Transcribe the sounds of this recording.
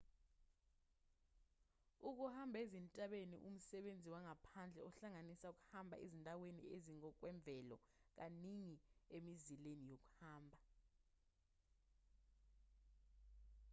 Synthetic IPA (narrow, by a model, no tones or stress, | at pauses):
uk̬uhambʱezintʼaɓenḭʔṵm̩sɛɓend͡zʱiwaŋapʰand͡ɮʱɛɔɬaŋanisauk̬ʼu̥hambʱa̰ʔezindʱawenḭeziŋɔk̬wɛɱb̪vʱɛlɔ̰ | k̬aniŋiemizilenijok̬u̥haːmbʱa